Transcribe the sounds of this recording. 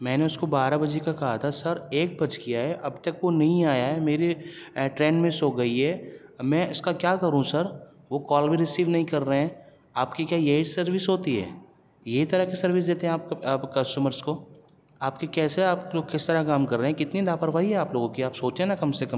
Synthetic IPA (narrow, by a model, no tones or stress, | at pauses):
mɛ̃ːneʊskobaːɾabɐd͡ʒekakɐɦat̪ʰasɐɾeːk̚bɐt͡ʃkijaɦɛʔɐbt̪ɐkʋonɐɦĩaːjaɦɛmeːɾeʈɾẽːɳɖmẽsoːɡɐiɦɛːmɛ̃ːʊskakjaːkɐɾũsɐɾ | ʋokɔːlbĩɾɪsiːʋnɐɦĩkɐɾːɐɦɛ̃ː | aːpkikjaːjeiʈsɐɾʋɪsɦoːt̪iɦɛ̰ː | jɐɦit̪ɐɾakisɐɾʋɪs̬d̪eːt̪eɦɛ̃aːp̚ːpkɐsʈəməɾskoː | aːpkikɛːseaːpoːɡkɪst̪ɐɾakaːmkɐɾːeɦɛ̃kɪt̪nilaːpəɾʋaːiɦɛaːploːɡõkiaːpsoːt͡ʃẽnakɐmsekɐm